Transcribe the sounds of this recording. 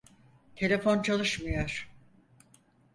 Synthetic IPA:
t̪ʰe̞lʲefont͡ʃʰalˠɯʃmɯjoɾ̥

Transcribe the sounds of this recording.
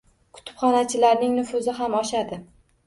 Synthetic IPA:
kʰʊ̥t̪ʰɪ̥pχɒnat͡ʃʰɪlaɾnɪŋnʊfʊzɪɦamɒʃad̪ɪ

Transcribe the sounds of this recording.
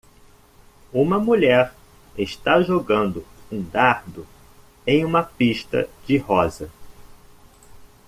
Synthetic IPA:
ũmɐmuʎɛɾ | eʃt̪aʒoɡɐ̃nd̪ʊũd̪aɾd̪ʊ | ẽj̃ũmɐpiʃt̪ɐ̰d͡ʒɪhɔzɐ

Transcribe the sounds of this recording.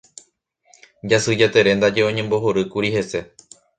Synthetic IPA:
d͡ʒasɨd͡ʒat̪eɾe̞nd̪ad͡ʒe̞õ̞ɲẽ̞mbo̞ɦoɾɨkuɾihe̞se̞

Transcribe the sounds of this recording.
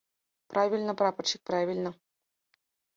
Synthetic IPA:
pravʲilʲnɤ̆prɑpɤ̆rɕik̚ʲpravʲilʲnɤ̆

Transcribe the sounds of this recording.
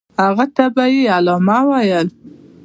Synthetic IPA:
haɣat̪abajealɔmɑwajəl

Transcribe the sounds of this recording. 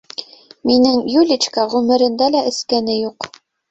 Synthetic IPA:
minɘŋjulʲit͡ɕkɑʁʉmɘ̆ɾɘ̆nd̪ælæʔɘ̆skænɘjuq

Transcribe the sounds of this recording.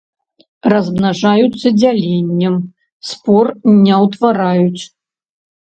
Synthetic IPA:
rɐzmnaʐajut̪sːɐd͡zʲalʲenʲːɛm | spɔrnʲɛwt̪vaɾajut͡sʲ

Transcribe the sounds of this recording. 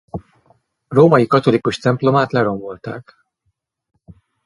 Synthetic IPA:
roːmɒjikɒt̪o̞likuʃt̪ɛmplo̞maːt̪lɛɾo̞mvolt̪a̰ːk

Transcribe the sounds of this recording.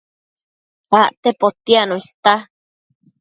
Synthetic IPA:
waʔt̪epot̪ianoiɬt̪a

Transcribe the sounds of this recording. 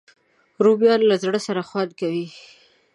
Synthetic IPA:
ɾubjɑllazɽəsaɾaxwɑd̪kawi

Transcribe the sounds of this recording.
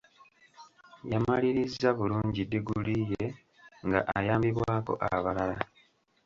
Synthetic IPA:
jamaliɾizːaβuluːɲɟidːiɡulije | ŋɡa̰ʔajaːmbiβwaːko̞̰ʔa̰βalala

